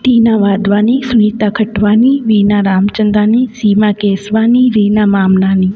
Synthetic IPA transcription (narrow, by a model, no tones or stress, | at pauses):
t̪iːnãːʋaːd̪ʋaːniːsʊniːt̪aːkʰəʈʋaːniʋiːnãːɾaːmt͡ʃənd̪aːniːsiːmãːkeːsʋaːniːɾiːnãːmaːmnaːniː